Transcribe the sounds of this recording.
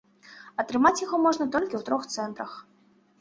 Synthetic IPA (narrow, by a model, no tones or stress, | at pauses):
ɐt̪ɾɨmat͡sʲjaɣɔmɔʐnɐt̪ɔlʲkʲiwt̪ɾɔxt̪sɛnt̪ɾɐx